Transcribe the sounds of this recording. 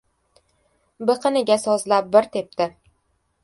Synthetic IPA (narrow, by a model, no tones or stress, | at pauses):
bɨqʰɨnɪɡʲasɒzlap̚bɪɾt̪ʰep̚t̪ʰɪ